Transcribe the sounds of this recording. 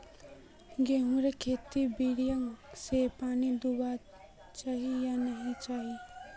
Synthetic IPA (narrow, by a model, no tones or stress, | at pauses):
ɡeɦũɾekʰeːt̪ibiɽijə̃ŋsepaːnid̪uba | t͡ʃaːɦijanəɦĩt͡ʃaːɦi